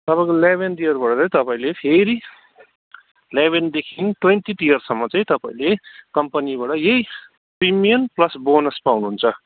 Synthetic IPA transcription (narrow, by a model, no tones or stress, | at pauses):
t̪ʌpaĩkolebʱenʈijʌrbaʈʌt͡sãj̃t̪ʌpaĩlepʰeɾi | leβend̪ekʰinʈwenʈiʈijʌrsʌmːʌt͡sãĩt̪ʌpaĩlekʌmpʌnibaʈʌjej | primijʌnplʌsbonʌspawnuɦunt͡sʰʌ